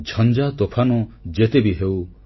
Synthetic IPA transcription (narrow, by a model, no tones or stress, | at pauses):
d͡ʒʱɔnd͡ʒat̪opʰanɔd͡ʒet̪ebiɦew